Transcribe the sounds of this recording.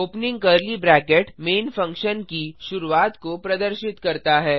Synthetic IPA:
oːpnɪ̃ŋɡkɐɾlibɾɛːkeʈmeːnfɐ̃ŋkʃənkiʃʊɾuaːt̪kopɾɐd̪əɾʃɪt̪kɐɾt̪aɦɛː

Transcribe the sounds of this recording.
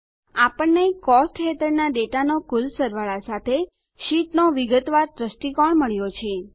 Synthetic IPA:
apəɳnːekɔsʈɦet̪ʰəɾnaɖeʈanokulsəɾʋaɭasat̪ʰe | ʃiʈnoʋiɡət̪ʋaɾd̪ɾəsʈikɔɳməɭjot͡ʃʰe

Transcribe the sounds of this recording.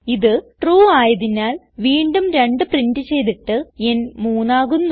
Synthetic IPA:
iðɨʈruːaːjɐðinaːl | ʋiːɳɖumɾe̞ɳɖɨprindɨt͡ɕe̞jt̪iʈːɨenmuːnaːɣunː

